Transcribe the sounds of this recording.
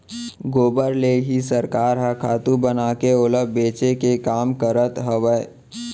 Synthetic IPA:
ɡoːbəɾleːɦisəɾkaːɾɦakʰaːt̪ũbənakeoːləbbeːt͡ʃekekaːmkəɾət̪ɦəʋəe

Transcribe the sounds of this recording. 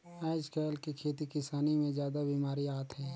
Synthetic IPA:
aːɪskɛːlkikʰeːt̪ikɪsaːnimẽzjaːd̪abiːmaːɾiaːt̪ɦɛː

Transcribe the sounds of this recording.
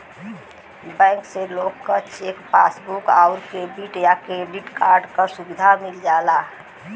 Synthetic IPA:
bɛ̃ːŋkseloɡkːət͡ʃekpa̰sbukaʊɾkebiʈjakɾeɖiʈkaɾɖkəsubid̪ʱamild͡ʒala

